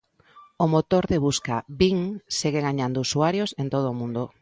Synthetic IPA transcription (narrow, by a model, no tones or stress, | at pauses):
omot̪oɾðeβ̞uskabiŋseɣeɣaɲand̪ousuaɾjosent̪oð̞oːmũnd̪o